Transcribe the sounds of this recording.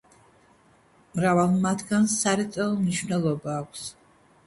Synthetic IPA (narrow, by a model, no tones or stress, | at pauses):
mɾavalˠmat̪ʰɡansaɾit̪sʼɛɔmniʃvnɛlˠɔbaːkʷʰs